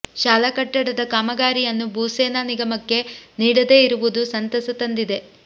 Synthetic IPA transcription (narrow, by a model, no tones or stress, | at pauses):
ʃaːlɐkɐʈːɐɽɐd̪ɐkaːmɐɡaːɾijɐnːubʱuːseːnaniɡɐmɐkːe̞niːɽɐd̪eːiɾuʋud̪usɐnt̪ɐsɐt̪ɐnd̪id̪e̞